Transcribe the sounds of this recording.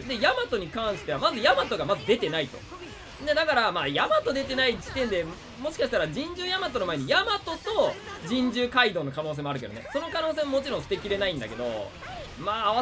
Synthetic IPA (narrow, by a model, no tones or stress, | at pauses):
d̪e̞jamat̪o̞ɲ̟ikãɰ̃ɕi̥t̪e̞amazɨjamat̪o̞ɡamazɨd̪e̞t̪e̞nait̪o̞̰ | d̪ed̪akaɾamaːjamat̪o̞d̪e̞t̪e̞naid͡ʑit̪ẽnd̪e̞ | mo̞ɕi̥kaɕ̬i̥t̪aɾad͡ʑĩɲ̟d͡ʑɨːjamat̪o̞no̞maeɲ̟ijamat̪o̞t̪o̞d͡ʑĩɲd͡ʑɨːkaid̪o̞ːno̞kanoːs̬eːmo̞aɾɯ̟ke̞d̪onḛso̞no̞kano̞ːs̬e̞ːmamo̞t͡ɕiɾõ̞ɰ̃sɨ̥t̪e̞kʲiɾe̞naĩnd̪a̰ke̞d̪o̞̰ | maːβa